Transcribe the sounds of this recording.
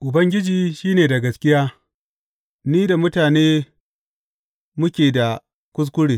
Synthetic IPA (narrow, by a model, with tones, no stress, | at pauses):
ʔʊ˨bɐ˦ŋɡʲɪ˦d͡ʒiː˨ʃiː˦neː˨da˨ɡɐ˨skʲɪ˦jaː˦ | niː˦da˨mʊ˦taː˨neː˦ | mʊ˦kʲeː˨da˨ | kʷʊ˦s̬kʷʊ˦ɽeː˨